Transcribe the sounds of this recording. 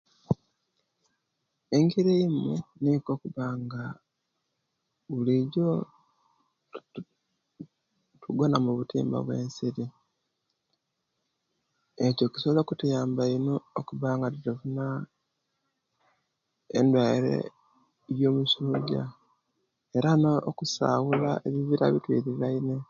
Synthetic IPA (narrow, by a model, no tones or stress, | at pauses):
eŋɡiɾeimeniko̞ːkuβaːŋɡa | βuliɟo | tʰuɡwanamuβutḭːmba̰βwe̞̰ːnsiɾi | eco̞ci̥soβolokutujaːmbainookuβaːŋɡatutufuna | ḛndwaiɾḛ | jo̞ːmusuːɟa̰ | e̞ɾanookusa̰ɣulaʔeβiβiɾa̰βitwḭɾilaine